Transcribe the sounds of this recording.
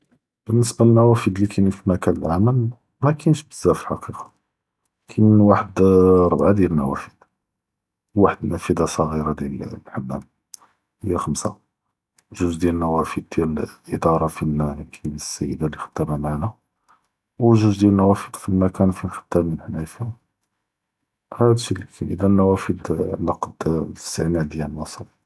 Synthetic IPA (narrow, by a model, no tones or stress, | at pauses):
b̥ənːəsbalənːæwæfəd̪likʰænifimækænəlʕaməl | mækʰænʃbəzːæflħɑ̰qiqɑ̥ | kʰænwaħəd̪ɾˤbʕad̪jælnæwæ̰fə̥d̪̥ | waħəd̪næfəd̪ɑsˤɑɣiɾɑd̪jælħabːæ̰m | həjːæxəmsa̰ | ʒuzd̪jælnːæwæfəd̪̚d̪jælʔəd̪ɑɾˤɑfijkʰibsːæ̰jːəd̪alːixə̥t̪ːæmæmaʕnæ | wʒʊzd̪jælnæwæfəd̪filmækænfixə̥t̪ːæbmənħnæjf | hæd̪ʃilikænʔəd̪ænːæwæfəd̪ʕnɑqd̪st̪əʕnæd̪jænwɑsˤəl